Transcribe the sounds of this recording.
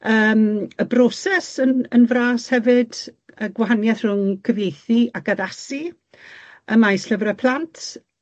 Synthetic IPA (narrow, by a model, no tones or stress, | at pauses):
əːməbrɔsɛsənənvraːshɛvɨdəɡwaɦanjaθr̥ʊŋkʰəvejθiakaðasi | əmajsɬəvrəpʰl̥ˠantʰ